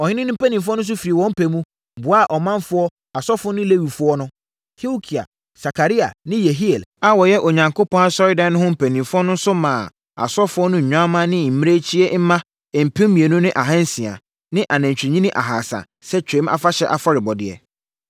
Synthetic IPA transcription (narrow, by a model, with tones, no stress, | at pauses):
ɔ˨ɲɪ̃˦nɪ̃˦nʊ̃˦pæ˦nĩ˨fʊ˦ɔ˦nʊ̃˦s̬ʊ˦fi˨ɾi˨wɔ̃˦m̩˦pʰe˨mũ˦˨ | bʊ˨a˦˨ʔɔ˨mã˦nfʊ˦ɔ˦ | a˨sɔ˦fnʊ̃˦le˦wi˨fʊ˦ɔ˦nʊ̃˦ | kʰi˦o˦kʰi˨a̰˨ | sa˨kʰa˨ɾi˦a˨nɪ̃˦je˨ɦi˦e˨la˦wɔ˨jɛ˦ʔo˨ɲã˨ŋkʰo˦pʰɔ̃˦na˦sɔ˦ɾɪ˦dã˨nʊ̃˦hʊ̃˦m̩˦˨pʰæ˨nĩ˨mfɔ˦nʊ̃˦n̩˦sʊ˦mãː˨ | a̰˨sɔ˦fʊ˦ɔ˦nʊ̃˦ɲ̩˨ɲᶣã˦mã˦nɪ̃˦m̩˨m˦ɾe˦t͡ɕʰi˦e˦m̩˦mã˦˨ | m̩˨pʰɪ̃˦mmĩ˨e˨nʊ̃˦nɪ̃˦ʔa˨ɦã˦n˦sĩ˨a̰˨ | nɪ̃˦ʔa˨næ̃˨ɲt͡ɕᶣɲĩ˦nɪ̃˦ʔa̰˨ɦaː˨sã̰˨ | sɛ˦t͡ɕᶣẽ˨˦mʔa̰˨fa˦ɕɛ˦ʔa˨fɔ˦ɾɪ˨bɔ˨dɪ̰˨ɛ̰˨